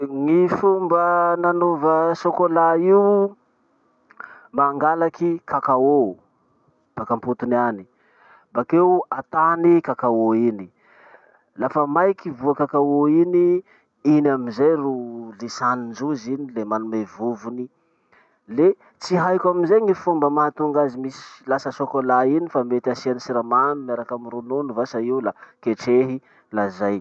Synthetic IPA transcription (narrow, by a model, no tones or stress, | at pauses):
ŋifumbənanovəsokolaiu | maŋɡalakikʰakao | b̥akamput̪unani̥ | bakeuat̪anikakaoini | lafəmajkivuakakaoini | inaminzajrulisanind͡ʒuzinilemanumevuvuni | le | t͡siɦajkʲaminzejŋifumbəmaat̪uŋɡazimisi̥lasəsokolainifamet̪iasianisiɾamanumaɾakamiɾununuvasaiulakeʈ͡ʂeɦi | lazaj